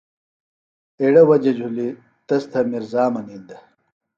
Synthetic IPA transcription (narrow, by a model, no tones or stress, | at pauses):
eɽɐwɐd͡ʑɐd͡ʑʱuli | t̪ɐst̪ʰɐmiɾzaːmɐnind̪ɐ